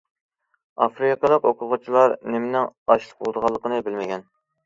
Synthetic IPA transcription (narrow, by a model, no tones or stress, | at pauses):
ɑfɾikəd̪ɑqoqʰʊʁʊt͡ʃʰilˠɑɾnɪmɪnɪŋɑʃlˠə̥bolˠd̪əʁɑlˠːəqənɨbɪlmɪɡʲɛn